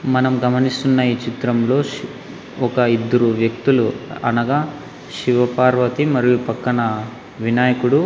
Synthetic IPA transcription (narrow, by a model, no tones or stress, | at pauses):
mɐnɐmɡɐmɐnist̪unːɐjit͡ʃit̪ɾɐmlo̞ː | ɔkɐid̪ːɐɾuʋjɐk̚t̪uluɐ̰nɐɡaː | ʃiʋɐpaːɾʋɐt̪imɐɾijupɐkːɐɳɐ | ʋinaːjɐkuɽu